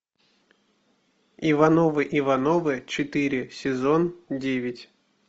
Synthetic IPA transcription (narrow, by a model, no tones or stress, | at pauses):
ivanovɨʔivanovɨt͡ɕɪt̪ɨɾʲɪsʲɪzondʲevʲɪtʲ